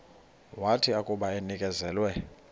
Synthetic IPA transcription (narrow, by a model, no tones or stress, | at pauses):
watʰiakʼuɓaɛnikʼɛzɛːlwɛ